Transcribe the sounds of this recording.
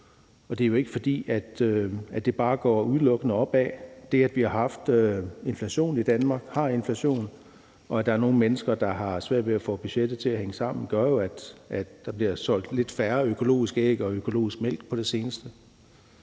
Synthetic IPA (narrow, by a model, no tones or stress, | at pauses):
ɒ̽d̥e̝ɐjo̝e̝ɡ̥əfɒ̽d̥ḭːæd̥æd̥e̝b̥ɑ̈ːɡ̥ɒ̰uð̞ˠlɔ̽ɡ̥ənəɒ̽b̥ɛ̰ːd̥e̝æd̥ʋihɑ̈ɦɑ̈fd̥øe̝nflæɕo̝̰ːnid̥ænmɑ̈ːɡ̥hɑ̈e̝nflæɕo̝̰ːn | ɒ̽ædd̥ɑ̈æɐno̝ːn̩menəsɡ̥ɐd̥ɑ̈ɦɑ̈sʋæɐ̰d̥ʋe̝æfɔ̰ːb̥yɕed̥ð̩ˠt͡sʰe̝æɦeŋəsɑ̈m̰n̩ɡ̥ɶɐjo̝æd̥ʔæd̥ːɑ̈b̥liɐsɒ̽l̰d̥le̝d̥fæɐøkʰo̝lo̝̰ːisɡ̥eɡ̥əɒ̽økʰo̝lo̝̰ːisɡ̥mel̰ɡ̥pʰɒ̽ɾ̥e̝se̝ːnəsd̥ə